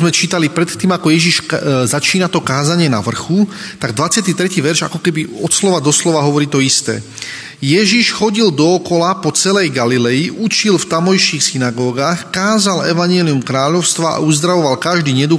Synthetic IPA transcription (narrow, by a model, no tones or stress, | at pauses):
zmɛt͡ʃiːt̪alipɾɛt̪t̪ːiːmakɔjɛʒiʃzat͡ʃiːnat̪ɔkaːzaɲɪɛna̰ʋr̩xut̪aɡd̪ʋat͡sɪat̪̬it̪ɾɛciːʋɛɾʒa̰kɔkɛbiɔt̪slɔʋad̪ɔslɔʋaɦɔʋɔɾiːt̪ɔist̪ɛ̰ː | jɛʒiʃxɔɟild̪ɔːkɔlapɔt͡sɛlɛjɡalilɛjiʔut͡ʃilft̪amɔjʃiːxsinaɡɔːɡaːxkaːzalɛʋaɲɪɛliumkɾaːʎɔʊst̪ʋaʔa̰uzd̪ɾaʋɔʋalkaʒd̪iːɲɛd̪u